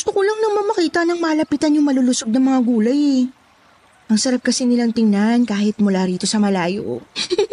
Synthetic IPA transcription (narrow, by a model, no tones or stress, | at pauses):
ɡʊst̪okolɐŋnɐŋmɐmɐkiːt̪ɐnɐŋmaːlɐpit̪ɐnjʊŋmɐlulʊsoɡ̚nɐŋmɐŋaɡuːlɐjɛ | ʔɐŋsɐɾap̚kɐsɪnɪlaŋt̪ɪŋnankaːhɪt̪̚mʊlaɾiːt̪o̞sɐmɐlaːjo̰